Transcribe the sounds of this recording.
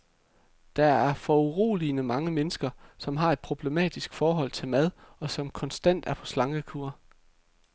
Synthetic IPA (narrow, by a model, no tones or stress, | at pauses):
d̥ɑ̈æɐfɒuʁo̝̰ːlinəmɑ̈ŋəmenəsɡ̥ɐsɒ̽mɦɑ̈e̝d̥̚pʰʁo̝b̥le̝mɛ̰ːd̥isɡ̥fɒːɦɒ̽l̰t͡sʰe̝lmæð̞ˠɒ̽sɒ̽mkʰɒ̽nsd̥æn̰d̥æɐpʰɒ̽slɑ̈ŋɡ̥əkʰuːɐ